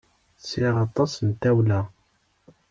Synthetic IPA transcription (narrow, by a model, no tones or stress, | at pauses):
siʁɑt̪ˤɑsənt̪æwlæ